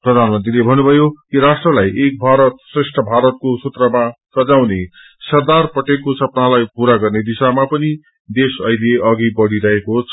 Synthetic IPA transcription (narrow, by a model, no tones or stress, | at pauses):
prʌd̪ʱanmʌnt̪rilebʱʌnːubʱʌjokiɾasʈrʌlajek̚bʱaɾʌt̪sresʈʰʌbʱaɾʌt̪̚kosut̪rʌmasʌd͡zawne | sʌrd̪arpʌʈekosʌpnalajpuɾaɡʌrned̪isamapʌni | d̪esʌileʌɡibʌɽiɾʌɦekoɦt͡sʰ